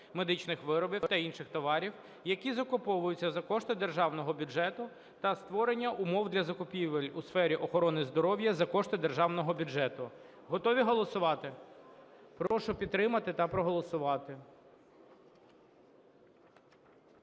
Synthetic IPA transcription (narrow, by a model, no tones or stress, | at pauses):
me̞d̪ɪt͡ʃnɪxʋɪɾɔbʲiwt̪ɐinʃɪxt̪ɔʋɑɾʲiw | jɐkʲizɐkʊpɔʋʊjʊt͡sʲːɐzɐkɔʃt̪ɪd̪erʒɑwnɔɦɔbʲʊʒɛt̪ʊ | t̪ɐst̪ʋɔɾenʲːɐʔʊmɔwd̪lʲɐzɐkʊpʲiʋelʲʊsfɛɾʲiʔɔxɔɾɔnɪzd̪ɔɾɔwjɐzɐkɔʃt̪ɪd̪erʒɑwnɔɦɔbʲʊd͡ʒɛt̪ʊ | ɦɔt̪ɔʋʲiɦɔlˠɔsʊʋɑt̪ɪ | pɾɔʃʊpʲid̪t̪ːɾɪmɐt̪ɪt̪ɐpɾɔɦɔlˠɔsʊʋɑt̪ɪ